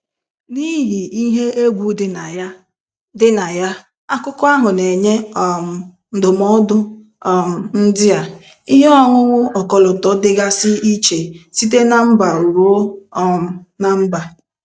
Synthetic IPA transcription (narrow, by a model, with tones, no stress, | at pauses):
ni˦ɦi˨i˦ɦe˦e˦ɡʷu˨˦dɪ˨na˨j | dɪ˦na˨ja˦ | a˦kʊ˦kʊ˦a˦ɦʊ˨ne˨ɲe˦ɔ˨m̩˨ | n̩˨dʊ˨mɔ˦dʊ˦ | ɔ˨m̩˨n̩˦dɪ˦a˨ | i˦ɦe˦ɔ˦ŋʊ˦ŋʷʊ˦ɔ˨kɔ˨lʊ˨tɔ˨˦dɪ˦ɡa˦sɪ˦i˦t͡ʃe˨si˦t̬e˦na˨m̩˦ba˨u˨ɾu˦o˦˨ | na˨m̩˦ba˨